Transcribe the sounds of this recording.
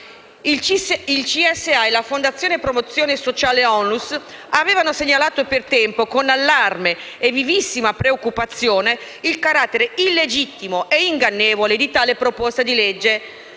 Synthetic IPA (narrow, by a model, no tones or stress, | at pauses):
ilt͡ʃiɛsːeajlafond̪at̪sːjoːnepːɾomot̪sːjoːnesot͡ʃaːleɔnːus | avɛːvanoseɲːalaːt̪opert̪ɛmpokonalːarmeː | vivisːimapɾeokːupat̪sːjoːne | ilkaɾat̪ːeɾeilːed͡ʒit̪ːimoʔeiŋɡanːeːvoled̪it̪aːlepɾopost̪ad̪iled͡ʒːe